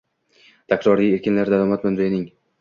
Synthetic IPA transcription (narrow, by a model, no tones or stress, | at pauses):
t̪ʰakɾɒɾije̞ɾkʲɪnlaɾd̪alˠɒmat̪̚mʊnzɪjɪnɪŋ